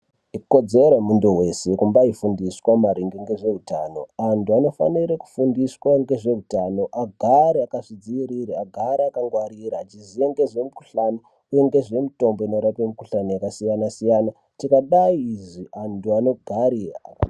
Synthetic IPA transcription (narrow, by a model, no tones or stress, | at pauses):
iko̞d͡ze̞ɾemundowe̞sekumbaifundiswamaɾiŋɡeŋɡe̞ʐe̞uta̰ːno̞̰antuano̞fa̰niɾeku̥fundiswaŋɡe̞ʐe̞utano̞ʔaɡʱaɾiakaʐid͡ziiɾiɾiaɡʱaɾiakaŋɡwaɾiɾaːt͡ʃizijeŋɡe̞ʐe̞muku̥ɬano | uje̞ŋɡe̞ʐe̞muto̞mbo̞inoɾapemukuɬanojakasijanasijana | tikaɗaiːʐiʔantuano̞ɡʱaɾiaa̰a̰